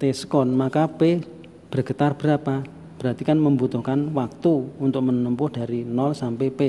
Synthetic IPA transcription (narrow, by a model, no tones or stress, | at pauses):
t̪esə̥kɔnmakape | b̥ərɡ̥ət̪arb̥əɾapa | b̥əɾat̪ikanməmbut̪ʊhkanwak̚t̪uunt̪ʊk̚mənəmpʊhd̥a̤ɾinɔlsampepe